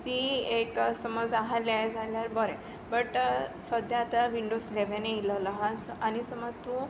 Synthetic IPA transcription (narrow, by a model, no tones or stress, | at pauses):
t̪ieksəmɔd͡zaɦaljajd͡zʱaljaɾbɔɾɛ̃ | bəʈsəd̪jaːt̪aʋiɳɖosleʋeneilɔləɦasanisəmɔd͡zt̪u